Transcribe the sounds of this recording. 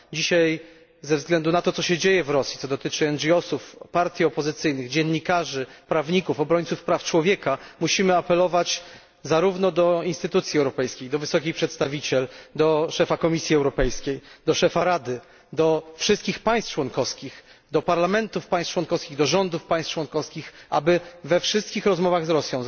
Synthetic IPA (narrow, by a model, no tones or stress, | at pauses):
d͡ʑiɕaj | zɛvzɡlɛnd̪unat̪ɔt̪sɔɕɛd͡ʑejɛvɾɔsʲjit̪ɔd̪ɔt̪ɘt͡ʂɘɛnʐiɔsufpaɾt̪ʲjiɔpɔzɘt̪sɘjnɘɣd͡ʑɛnːikaʐɘpɾavɲikufɔbɾɔɲʲt̪sufpɾaft͡ʂwɔvʲjɛkamuɕimɘapɛlɔvat͡ɕ | zaɾuvnɔd̪ɔinst̪ɘt̪ut̪sʲjiɛwɾɔpɛjskʲejd̪ɔvɘsɔkʲixpʂɛt̪st̪avʲit͡ɕɛld̪ɔʂɛfakɔmʲisʲjiɛwɾɔpɛjskʲejd̪ɔʂɛfaɾad̪ɘ | d̪ɔfʂɘst̪̚kʲixpaj̃st̪t͡ʂwɔnkɔfskʲix | d̪ɔpaɾlamɛnt̪ufpaj̃st͡ʂwɔnkɔfskʲiɣd̪ɔʐɔnd̪ufpaj̃st͡ʂwɔnkɔskʲixʔa̰bɘvɛfʂɘst̪̚kʲixɾɔzmɔvaɣzɾɔsʲjɔ̃w̃